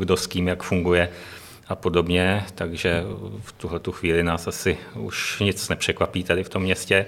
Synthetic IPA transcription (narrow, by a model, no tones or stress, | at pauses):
ɡdo̞sciːmjakfuŋɡujɛ | ʔapo̞do̞bɲɛt̪aɡʒɛft̪uɦlɛt̪uxviːlɪnaːsʔasɪṵʃɲɪt͡snɛpr̝̥ɛkvapiːt̪adɪft̪o̞mːɲɛscɛ